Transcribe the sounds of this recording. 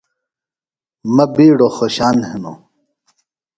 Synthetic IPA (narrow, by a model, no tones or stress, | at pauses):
mɐbiːɽoxoɕaːnheno̰ː